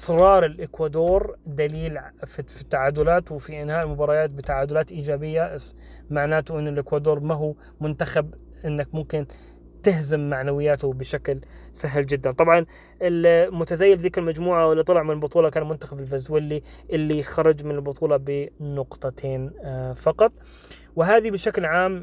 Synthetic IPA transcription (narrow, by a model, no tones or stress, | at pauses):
ʔɪ̥sɾˤɑːɾˤɪlʔɪkwad̪oːɾd̪aliːlffit̪ːaʕaːd̪ʊlaːt̪wfiʔɪnhaːʔɪlmʊbɑːɾˤɑjaːt̪̚bɪt̪aʕaːd̪ʊlaːt̪ʔiːd͡ʒaːbɪjːaʔs | maʕnaːt̪ʊʔɪnːɪlʔɪkwad̪oːɾˤmaɦu | mʊnt̪axab | ʔɪnːakmʊmkɪn | t̪ɪhzɪmːaʕnawɪjːaːt̪ʊbɪʃaklsaɦld͡ʒɪd̪ːant̪ˤɑbʕɑn | ɪlmʊt̪aðaːjːɪlðiːkɪlmad͡ʒmuːʕaʔwɪlːt̪ːˤɑlɑʕmɪnɪlbʊt̪ˤuːlɑkaːnmʊnt̪axabɪlfazwɪlːiʔɪlːixɑɾˤɑd͡ʒmɪnɪlbʊt̪ˤuːlɑbɪnʊqt̪ˤɑt̪ʰeːnfɑqɑt̪ˤ | wɪɦaːðibɪʃaklʕaːm